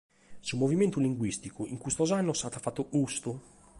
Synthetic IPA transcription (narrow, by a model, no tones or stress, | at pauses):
sumoviment̪uliŋɡwist̪ikuiŋkust̪ɔzanːost̪aːt̪afat̪ːoɡust̪u